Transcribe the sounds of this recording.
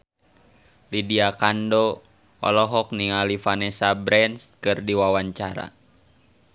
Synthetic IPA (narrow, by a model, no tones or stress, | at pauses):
lidiakando | ɔ̰lɔɦɔk̚niŋalifanɛsabɾɛnskɨrdiwawaɲt͡ʃaɾa̰